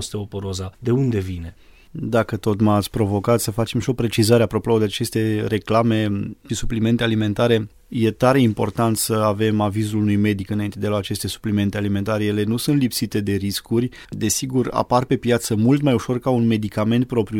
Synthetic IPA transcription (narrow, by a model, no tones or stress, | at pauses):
st̪eopoɾozad̪e̞und̪e̞vine̞ | d̪akət̪o̞t̪mat̪sʲpɾo̞vo̞kat̪səfat͡ʃe̞mʃio̞pɾe̞t͡ʃizaɾeapɾo̞pood̪eat͡ʃe̞st̪e̞ɾe̞klame̞isuplime̞nt̪e̞alime̞nt̪aɾe̞ | je̞t̪aɾe̞impo̞̰rt̪ant̪səave̞mavizulunujme̞d̪ikɨnaint̪e̞d̪elaat͡ʃe̞st̪e̞su̥plime̞nt̪e̞alime̞nt̪aɾejele̞nusɨnt̪lipsit̪e̞d̪e̞ɾiskurʲ | d̪e̞siɡura̰parpe̞pjat̪səmult̪majuʃo̞rkaunme̞d̪ikame̞nt̪̚pɾo̞pɾʲju